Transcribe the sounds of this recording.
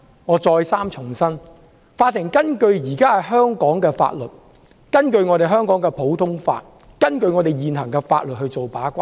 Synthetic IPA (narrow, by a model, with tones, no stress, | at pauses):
ŋɔː˨˧t͡ʃɔː˧jsaː˥mt͡ʃʰʊ˨˩ŋsɐ˥n | faː˧t̪̚ʰːɪ˨˩ŋkɐ˥nkɵ˧ɥjiː˨˩kaː˥hɐ˨˩jɦœː˥ŋkɔː˨˥ŋkɛː˧fa̰ː˧t̚lɵ˨t̚ | kɐ˥nkɵ˧ɥŋɔː˨˧ɾe˨jɦœː˥ŋkɔː˨˥ŋkɛː˧pʰo˨˥wt̪ʰʊ˥ŋfa̰ː˧t̚ | kɐ˥nkɵ˧ɥŋɔ˨˧t̪e˨jjiː˨nɦɐ˨˩ŋkɛː˧fa̰ː˧t̚lt̚hɵ˧ɥt͡so˨wpaː˨˥kʷaː˥